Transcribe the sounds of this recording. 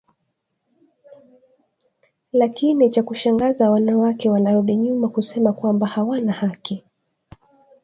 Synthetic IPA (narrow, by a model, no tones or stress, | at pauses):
lakinit͡ʃakuʃaŋɡazawanawakɛwanaɾuɗiɲumakusɛmakwambahawanahaki